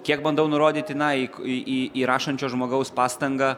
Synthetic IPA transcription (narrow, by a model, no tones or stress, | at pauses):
kʲiɛk̚bɐnd̪ɐʊnʊɾoːd̪ʲiːt̪ʲɪnɐiʔiːiːɾɑːʃɐnʲt͡ʃʲoːʒmoːɡɐʊspɑːst̪ɐŋɡɑː